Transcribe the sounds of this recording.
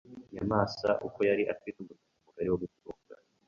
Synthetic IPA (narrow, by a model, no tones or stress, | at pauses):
ɲa̰maːsa̰ʔuko̞jaɾiʔatwitumutuumuɡaɾiwoɡutuɾuːɡa̰